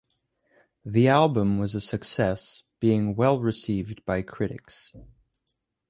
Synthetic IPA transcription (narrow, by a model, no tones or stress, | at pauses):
ðiælˠbə̃mwʌzɨsɨksɛsb̥iɪ̃ŋwɛlˠɹɨsivb̥aɪkʰɹ̥ɪɾɨ̰ks